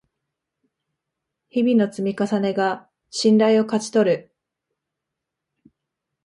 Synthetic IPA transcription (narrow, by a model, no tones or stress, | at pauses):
çibʲino̞t͡sɨmʲikasane̞ɡa | ɕĩnɾaio̞kat͡ɕi̥t̪o̞ɾɯ̟